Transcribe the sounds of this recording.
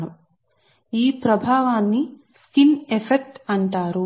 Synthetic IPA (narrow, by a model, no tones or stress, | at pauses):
ɐm | iːpɾɐbʱaːʋaːnːi | skinefʰek̚ʈɐɳʈaːɾu